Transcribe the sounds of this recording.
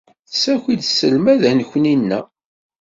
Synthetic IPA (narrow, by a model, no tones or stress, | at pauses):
θəsæçʷid̪sːəlmæðænəçʷninːæ